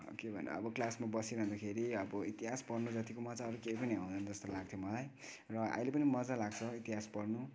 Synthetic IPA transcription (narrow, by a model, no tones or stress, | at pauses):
o̰kebʱʌn̰ʌ̰bʌklasmabʌsiɾʌɦũnd̪akʰeɾiʌbʌit̪iɦaspʌrnud͡zʌt̪ikomʌd͡zaːɾukejpʌniɦãw̃d̪ʱʌnd͡zʌst̪olaɡ̚t̪ʰjomʌlaj | rʌa̰ilepʌnimʌd͡zalaɡ̚t͡sʰʌit̪iɦaspʌrnu